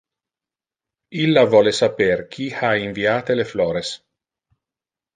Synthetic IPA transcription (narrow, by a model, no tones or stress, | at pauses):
ilːavɔlesaperk̟ʰixaiɱviaːt̪eleflɔːɾes